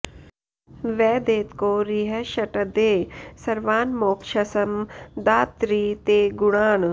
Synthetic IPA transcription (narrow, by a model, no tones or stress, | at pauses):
ʋɛːd̪eːt̪koːɾiɦɐʃɐʈɐd̪eːsɐɾʋaːnmoːkʃɐsɐmd̪aːt̪ɾiːt̪eːɡuɽaːɳ